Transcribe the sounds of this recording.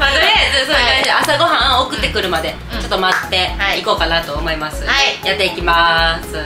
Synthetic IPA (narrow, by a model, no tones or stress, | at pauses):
maesoɾkãɲd͡ʑiʔasaɡo̞ɦãokɯ̟t̪ːe̞kɯ̟ɾɯ̟mad̪e̞ | t͡ɕo̞t̪ːo̞mat̪ːe̞aiko̞ːkanat̪o̞ːmo̞imasɨajat̪ːe̞ikʲimasɨ